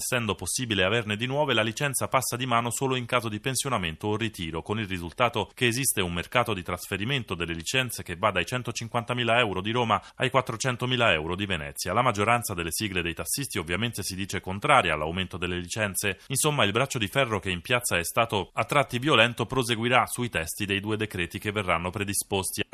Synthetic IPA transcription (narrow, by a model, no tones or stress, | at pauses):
sːɛnd̪oposːiːbileaverned̪inwɔːvelalit͡ʃɛnt̪sapasːad̪imaːnosoːloiŋkaːzod̪ipensjonament̪oːrit̪iːɾokonilrizult̪aːt̪okeːzist̪eummerkaːt̪od̪it̪ɾasfeɾiment̪od̪elːelit͡ʃɛnt̪sek̟evːad̪ajt͡ʃɛnt̪ot͡ʃiŋkwant̪amiːlaɛwɾod̪iɾoːmaajkwat̪ːɾot͡ʃɛnt̪omiːlaɛwɾod̪ivenɛ̰t̪sːjalamad͡ʒːoɾant̪sad̪elːesiːɡled̪ejt̪asːist̪iovːjament̪esid̪iːt͡ʃekont̪ɾaːɾjaːlːawment̪od̪elːelit͡ʃɛnt̪seinsomːailbɾat͡ʃːod̪ifɛrːokeimpjat̪saɛst̪aːt̪oat̪ːɾat̪ːivjolɛnt̪opɾozeɡwiɾasuit̪ɛst̪id̪ejd̪uːed̪ekɾɛːt̪ik̟evːerːanːopɾed̪ispost̪i